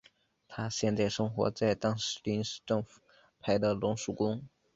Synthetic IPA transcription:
t̪ʰa˥ɕjɛ˥˧nt͡sa˥˩ɪʂɤ˥ŋxwɔ̰˧˥t͡sa˥˩ɪt̪ɑ˥ŋʂɻ̩˧˥li˧˥nʂ̩˥˧ʈ͡ʂɤ˥˩ŋfu̥˨˩ | pʰa˧˥ɪd̪ə˧lʊ˧˥ŋʂu˨˩kʊ˥ŋ

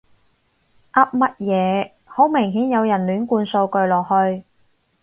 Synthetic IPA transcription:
ʔɐ˥p̚mɐ˥t̚jɛː˨˧ | ho˨˥wmɪ˨˩ŋɦiː˨˥njɐ˨˧wjɐ˨˩nlyː˨˥nkuː˧nso˧wkɵ˧ɥlɔː˨k̚hɵ˧ɥ

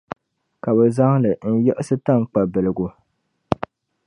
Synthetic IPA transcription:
ka˨bɛ˨za˦ŋ˦lɨ˨n̩˦jɛ˦ʔɪ˦sɨ˦ta˦˨ŋ˦k͡pa˨bɛ˨lɨ˨ɡu˨

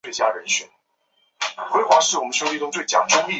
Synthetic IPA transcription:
e˥˩t͡ɕja˥ɻə˧˥nɕɥɛ˨˩˦n | xwe˥ɪxwa˧˥ʂɻ̩˥˩wɔ˨˩mə˦n˥ɕjo˥ʊli˥˧ʈ͡ʂʊ˥ŋt͡swe˥˩ɪt͡ɕja̰˨˩ŋʈ͡ʂʊ˥ŋi˥˩

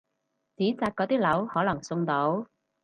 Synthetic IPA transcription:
t͡siː˨˥t͡saː˧t̚kːɔː˨˥t̪iː˥lɐ˨˥whɔː˨˥lɐ˨˩ŋsʊ˧ŋt̪o˨˥w

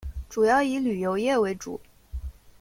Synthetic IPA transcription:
ʈ͡ʂu˨˩jɑ˥˩ʊi˧˥ly˨˩jo˧˥ʊjɛ˥˩we˧˥ɪʈ͡ʂṵ˨˩˦

